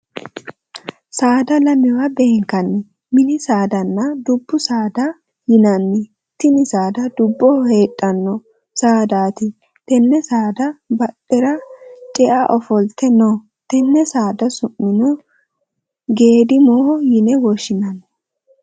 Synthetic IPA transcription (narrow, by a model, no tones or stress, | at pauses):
saːd̪ɐlɐmɪwabe̞ːŋkɐnːɪ | mɪnɪsaːd̪ɐnːɐd̪ʊbːʊsaːd̪ɐ | jɪnɐnːɪ | t̪ːɪnɪsaːd̪ɐd̪ʊbːɔhe̞ːtʼːɐnːɔ | saːd̪aːt̪ɪ | t̪ɛnːɛsaːd̪ɐbɐɗːɛɾɐt͡ʃʼɛʔaʔɔfɔlt̪ɛnɔ | t̪ɛnːɛsaːd̪ɐsʊmːɪnɔ | ɡe̞ːd̪ɪmojɪnɛwɔʃɪnɐnɔ